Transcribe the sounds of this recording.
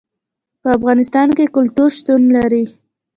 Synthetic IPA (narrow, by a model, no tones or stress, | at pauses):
pəafɣɑnɪst̪ɑnkekʊlt̪uɾʃt̪unlaɾi